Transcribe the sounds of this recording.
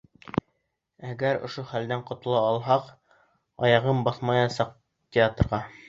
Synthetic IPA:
æɡæɾŏ̰ʃoχæld̪æɴqŏt̪ŏlˠɑːlˠɦɑq | ɑ̰jɑʁɤmbɑθmɑjɑsɑq̚ | tʲɪat̪rʁɑ

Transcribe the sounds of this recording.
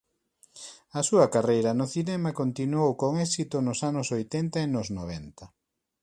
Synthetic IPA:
ɐsuɐkarejɾɐnʊθinɛmakont̪inuowkoŋɛsit̪onʊsanʊsojt̪ɛnt̪ɐenʊznoβ̞ɛnt̪ɐ

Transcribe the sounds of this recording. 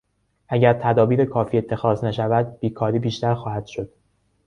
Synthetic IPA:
ʔæɟæɾt̪ʰæd̪ɒːbiːɾekʰɒːfiːe̞t̪ʰːe̞xɒːznæʃævæd̪̚b̥iːkʰɒːɾiːbiːʃt̪æɾxɒːhæd̪̥ʃo̞d̪̥

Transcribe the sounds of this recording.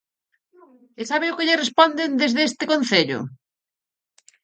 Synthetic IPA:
esaβeʊkɪʎɪrespɔnd̪end̪ezðest̪ɪkonθeʎʊ̰

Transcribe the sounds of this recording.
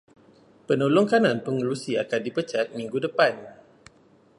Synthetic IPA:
pənolɔŋkananpəŋəlusiakandipət͡ʃat̪̚miŋɡudəpan

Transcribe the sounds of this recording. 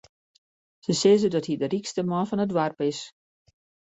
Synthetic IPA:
səsɪzədɔthidərikstəmɔnfɔnətwarpɪs

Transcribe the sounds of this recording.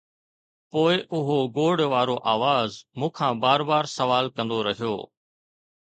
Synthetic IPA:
poːɪʔʊɦoɡoːɽʋaːɾoʔaːʋaːzmũːkʰãːbaːɾbaːɾsɐʋaːlkɐ̃nd̪oɾɐɦijo̰ː

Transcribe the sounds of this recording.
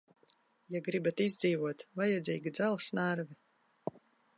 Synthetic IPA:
jaɡɾibat̪izʲd̪ziːvuɔt̪vajɛd̪zḭːɡʲid̪zalˠsnaɾvi

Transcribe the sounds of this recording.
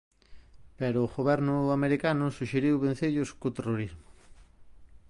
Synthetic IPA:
pɛɾʊːɣoβɛɾnʊameɾikanʊsuʃeɾiwβen̟θeʎʊskʊt̪eroɾizmʊ

